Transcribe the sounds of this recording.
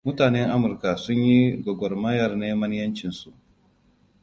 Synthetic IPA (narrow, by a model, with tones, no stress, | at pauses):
mʊ˦taː˨nɛ˦ŋʔa˦mʊ˨ɾka˨sʊ˦ɲji˦ɡʷɔ˨ɡʷɔ˨rmɐ˦jɐ˨rneː˦mɐ˦n˦jɐ˦nt͡ʃɪ˨nsu˨ʔ